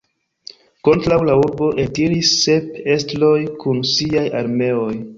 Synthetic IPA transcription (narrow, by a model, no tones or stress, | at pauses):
ko̞ntɾawlauɾbo̞ʔetiɾisːe̞pe̞stlo̞jkunsiajaɾme̞o̞j